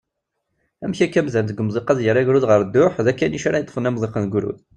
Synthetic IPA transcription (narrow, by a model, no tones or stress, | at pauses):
æmçækːæmzænt̪əɡəmðˤiqɑðjəɾæʝɾuðʁəɾd̪ːʊħðækːænjiʃaɾɑjət̪ːˤə̥fənæmðˤiqənɡʷɾṵð